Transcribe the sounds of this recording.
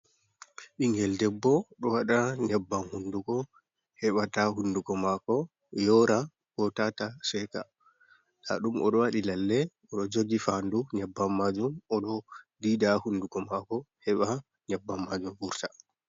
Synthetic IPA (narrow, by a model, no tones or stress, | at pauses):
ʔiŋɡɛldɛbːɔɗɔwaɗaɲabːanhundukɔ | hɛɓataɦundukɔmakɔ | jɔɾa | kɔtatasɛka̰ | la̰ɗumɔ̰ɗɔwaɗilalːɛ | ɔɗɔd͡ʒoɡifanduɲabːamːad͡ʒumɔɗɔdiːdahundukɔmakɔhɛɓa | ɲabːamːad͡ʒumbuɾtḁ